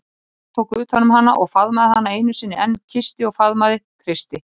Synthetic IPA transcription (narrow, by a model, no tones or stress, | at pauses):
t̪ʰowkʏʏːt̪hanːʏmɦanːa̰ʔɔɣfaðmaðɪhanːaeːjnʏsɪnːɪɛncʰɪst̪ɪɔɣfaðmaðɪkʰɾɪst̪ɪ